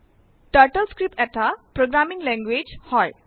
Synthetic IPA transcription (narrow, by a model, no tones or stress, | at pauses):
ʈʌɾʈəlskɾipet̪apɾoɡɾamiŋleŋɡwed͡zhɔj